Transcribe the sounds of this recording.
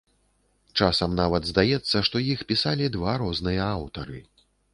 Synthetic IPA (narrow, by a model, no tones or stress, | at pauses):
t͡ʂasɐmnavɐd̪zd̪ajɛt̪sːɐʂt̪ɔjixpʲisalʲid̪vaɾɔznɨjɐawt̪ɐɾɨ